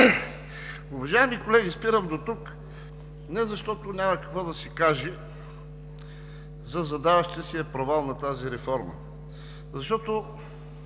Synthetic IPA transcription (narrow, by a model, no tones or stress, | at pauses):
ʊvɐʒaɛmikolɛɡispiɾəmd̪ot̪uk | nɛzɐʃt̪ɔt̪onʲamɐkɐkvɔd̪ɐsikaʒɛ | zɐzɐd̪avɐʃt̪əsiɛpɾovalˠnɐt̪aziɾɛfɔɾmə̰ | zɐʃt̪ɔt̪o